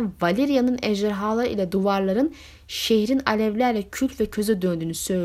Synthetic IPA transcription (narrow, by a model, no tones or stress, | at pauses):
nvalʲiɾijanɯnɛʒɛɾɦaːlˠaɾɯʔilʲɛd̪uvaɾlˠaɾɯn | ʃehɾinalʲɛvlʲæɾlʲɛcʰylʲt̪vɛcʰø̞zɛd̪ønd̪yːnysø̞jlʲ